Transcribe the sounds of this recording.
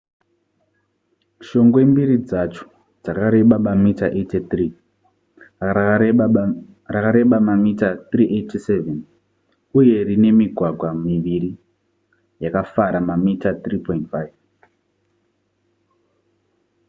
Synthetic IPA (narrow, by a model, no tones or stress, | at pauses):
ʃo̞ŋɡwe̞mbiɾid͡zat͡ʃo̥ | d͡zakaɾe̞ɓamamitaʔetetri | rakaɾe̞ɓamamitatriʔetiseven | uje̞rine̞miɡʱwaɡʱwamiʋiɾi | jakafaɾamamitat̪ripo̞intfajv